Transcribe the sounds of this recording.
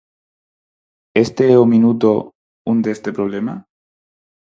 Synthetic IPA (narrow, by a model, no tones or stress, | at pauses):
est̪eeominut̪̬o | und̪est̪epɾoβlema